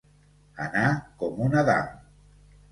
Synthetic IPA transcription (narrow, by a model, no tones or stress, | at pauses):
a̰nakɔmunaða̰m